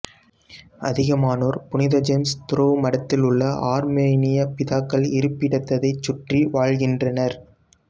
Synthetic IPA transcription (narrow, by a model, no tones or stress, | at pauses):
ʔɐ̰ðɪɣɐmaːnoːɾpʊnɪðɐd͡ʒɐmst̪ʊrɐʋɯmɐɽɐt̪ːɪlɯɭːɐʔaːɾmeːnɪjɐpɪðaːkːɐɭɪɾɯpːɪɽɐt̪ːɐðɐɪt͡ʃːʊʈriʋaːɻɣɪndrɐnɐɾ